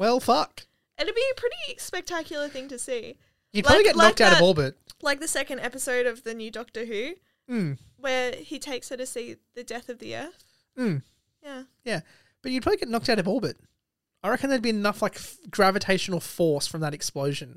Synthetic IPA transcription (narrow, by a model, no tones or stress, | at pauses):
wɛlˠfʌk | ʔɨ̃nɨt̚b̥iɨpʰɹ̥ɪɾispɛk̚tʰækʰjl̩ˠə˞θɪ̃ŋtɨsi | jɨd̚plaɑbliɡɛtnlnɑk̚taʊɾʌvɔlˠbɨt̚laɪk̚ðɨsɛkɨ̃ndɛpɨsoʊɾʌvðɨnjʉdɔk̚tə˞ɦʉ | m̩ | wə˞itʰeɪksɨɾɨsiðɨdɛθʌvðiɜ˞θ | m̩ | jæjæ | b̥ʌt͡ʃɨd̚ʰɹɑbliɡɛtⁿnɑk̚taʊɾʌvɔlˠbɨt̚ | aɪɹɛkɨ̃nðə˞d̚biɨnʌflaɪkɡ̥ɹævɨtʰeɪʃɨn̩l̩ˠfɔɹsfɹʌ̃mðəɾɨksploʊʒɨ̃n